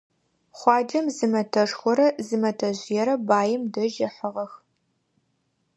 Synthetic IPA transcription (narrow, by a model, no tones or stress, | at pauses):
χʷɑːd͡ʒɐmzɨmɐtʰɐʂxʷɔɾɐzɨmɐtʰɐʑjɛɾɐbaːjɪmdɐʒɪħəʁɐx